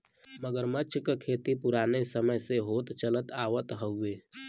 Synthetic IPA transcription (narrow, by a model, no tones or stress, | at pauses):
məɡəɾmət͡ʃʰkəkʰeːt̪ipuɾaːnesəməjseɦoːt̪t͡ʃələt̪aːʋət̪ɦəʊeː